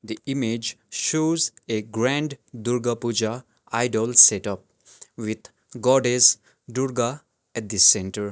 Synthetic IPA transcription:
d̪iimed͡ʒʃoːzeɡɾɛ̃ɳɖd̪uɾɡapud͡ʒa | aɪɖɔlseʈʌp̚ | ʋit̪ʰ | ɡɔɖes | ɖuɾɡa | ɛʈ̚d̪isẽɳʈəɾ

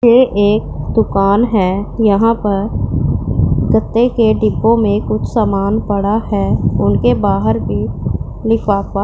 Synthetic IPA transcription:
eːʔeːk̚d̪ʊkaːnɦɛːjɐɦãpɐɾ | ɡət̪ːekeɖɪpːõmẽkʊt͡ʃʰsaːmaːnpɐɽahɛːʊnkebaːɦəɾbʱi | lɪkʰʋaːka

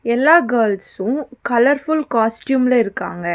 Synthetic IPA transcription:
ɛlːaːɡɐːlsʊ̃kɐlɐɾfʊlkaːsʈjuːmlɐɪɾɯkːa̰ːŋɡɐ

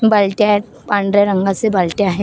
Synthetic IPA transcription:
bɐlʈjaɦɛ | paɳɖɾeɾə̃ŋɡasebɐlʈjaɦɛ

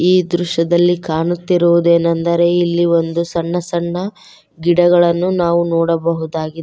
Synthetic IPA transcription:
iːd̪ɾuʃɐd̪ɐlːikaːɳut̪ːiɾuʋud̪e̞ːnɐnd̪ɐɾe̞ilːiʋo̞nd̪usɐɳːɐsɐɳːɐ | ɡiɽɐɡɐɭɐnːunaːʋunɔːɽɐbɐɦud̪aːɡi

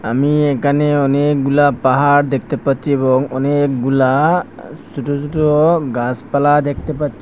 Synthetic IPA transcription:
amiɛkaneɔnek̚ɡulapaɦaɾd̪ek̚ʰt̪epatt͡ʃʰiebɔŋɔnek̚ɡula | suʈusutɔɡaspalad̪ek̚ʰt̪epatt͡ʃʰi

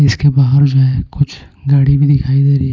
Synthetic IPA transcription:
ɪskebaːɦəɾd͡ʒoɦɛkʊt͡ʃʰ | ɡaːɽibʱid̪ɪkʰaːid̪eːɾiɦɛ

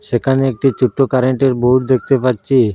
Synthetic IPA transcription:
ʃekʰaneek̚ʈit͡ɕʰuʈʰːokaɾeɳʈeɾbouʈd̪ekʰt̪epaɾt͡ɕʰi

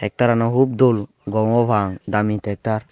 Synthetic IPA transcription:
ɛk̚t̪aɾanaɦub̚d̪ol | ɡɔŋɔbaŋd̪amit̪ɛk̚t̪aɾ

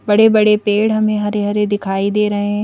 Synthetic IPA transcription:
bɐɽebɐɽepeːɽɦɐmẽɦɐɾeɦɐɾed̪ɪkʰaːid̪eɾɐɦẽ

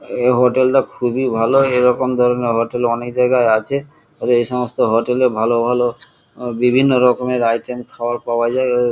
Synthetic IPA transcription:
ɦoʈɛltakʰubibʱalɔejɹɔkɔmd̪ʱɔɹɔnɛɦoʈɛlɔnek̚d͡ʒajɡajat͡ʃʰɛ | tat̪ɔejsɔmɔst̪ɔɦɔʈɛlɛbʱalɔbʱalɔ | bibʱinːɔɹɔkɔmɛɹajtʰɛmkʰawaɹpawazaj

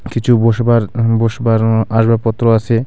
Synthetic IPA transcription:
kit͡ɕʰuboʃbaɾboʃbaɾaʃbaɾpɔt̪ːɾoat͡ɕʰe

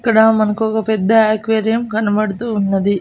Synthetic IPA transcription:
kːɐɽɐmɐnɐkuɔkɐpɛd̪ːɐaːkʋeːɾijɐmkɐnɐbɐɽut̪uːnːɐd̪i

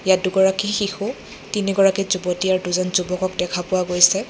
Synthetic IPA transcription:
jaduɡɔɹakixixu | tiniɡɔɹakizubɔtiaɹduzɔnzubɔkɔkdɛkʰapʊwaɡojsɛ

